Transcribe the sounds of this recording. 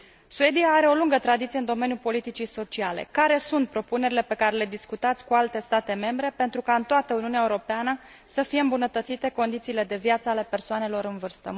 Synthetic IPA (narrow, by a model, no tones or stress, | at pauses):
sue̞d̪ijaːɾe̞o̞luŋɡət̪ɾad̪it̪sieɨnd̪o̞me̞nijupo̞lit̪it͡ʃiso̞t͡ʃiale̞̰kaɾe̞sunt̪̚pɾo̞pune̞ɾile̞pe̞kaɾe̞le̞d̪iskut̪at̪sʲkualt̪e̞st̪at̪e̞me̞mbɾe̞pe̞nt̪ɾukaɨnt̪oat̪əuniuneaeuɾo̞peanə | səfije̞ɨmbunət̪ət̪sit̪e̞ko̞nd̪it̪siːle̞d̪e̞vjat̪səale̞pe̞rsoane̞lo̞ɾɨnvɨrst̪ə̰